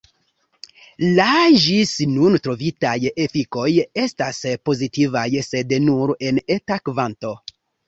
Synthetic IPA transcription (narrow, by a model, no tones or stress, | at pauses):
laʒisnuntɾo̞vitajefiko̞je̞staspo̞zitivajse̞dnuɾe̞netakvanto̞